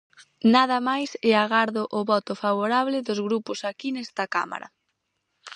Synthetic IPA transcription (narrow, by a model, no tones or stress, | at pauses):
nað̞ɐmajsɛaɣaɾðʊʔʊβɔt̪ʊfaβoɾaβlɪðʊzɣɾupʊsakinɛst̪ɐka̰ma̰ɾɐ̰